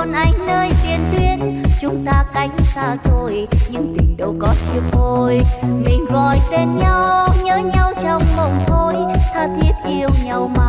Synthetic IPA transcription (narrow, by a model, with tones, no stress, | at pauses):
ɔ˨nʔa˨˧˦jŋ̟nəː˧jt̪ḭ˨˩ənt̪wi˧ənt͡ɕʊ˨˦ŋ͡mt̪aː˧ka˨˦jŋ̟saː˧zo˨˩jɲɨ˧ŋt̪ï˨˩ŋ̟ɗə˨˧˦wkɔ˨˦t͡ɕi˧˦ək̚o˧˩jmï˨˩ŋ̟ɣɔ˧˨˩jt̪e˧nɲa˧wwwɲəː˨˦ɲa˧wt͡ɕɔ˧wŋ͡mmə˨˩wŋ͡mt̪ʰo˧jt̪ʰaː˧˩t̪ʰi˨˦˥ət̚ʔi˧əwɲa˨˩wma˧˦